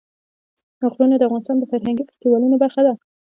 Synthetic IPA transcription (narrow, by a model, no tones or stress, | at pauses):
aqɾunad̪əafɣɑnɪst̪ɑnd̪əfaɾɦaŋɡifɪ̥st̪iwɑlunobaɾxad̪a